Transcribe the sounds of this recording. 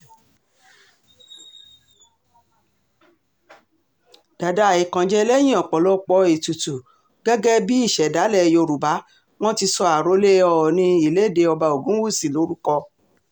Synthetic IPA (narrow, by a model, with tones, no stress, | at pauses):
d̥a˨da˦˨i˨kã˨˧d͡ʒɛ˦˧lɛ˦j̃ĩ˦ɔ̃˨k͡pɔ˨lɔ˦k͡pɔ˧e˨tu˨tu˨ | ɡɛ˦ɡɛ˦bi˦i˦˨ʃɛ˨da˨˦lɛ˦˨jo˧ɾu˨ba˨˦ | w̃ɔ̃˦ti˧sɔ˧a˨ɾo˨˦le˦ɔ˧˨nĩ˧i˨le˨˦˨de˧ɔ˧ba˧o˨ɡũ˨˦wu˦˨si˨lo˨˦ɾu˦kɔ˧